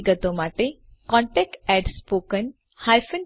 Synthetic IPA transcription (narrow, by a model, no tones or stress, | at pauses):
ɡət̪omaʈe | kɔ̃ɳʈɛk̚ʈɛɖspoːkən | halfən